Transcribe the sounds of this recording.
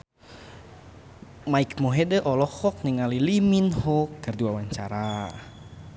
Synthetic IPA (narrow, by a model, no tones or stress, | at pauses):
maikmoɦɛdəʔɔlɔhɔk̚niŋaliliminhɔkərduwawaɲt͡ʃaɾa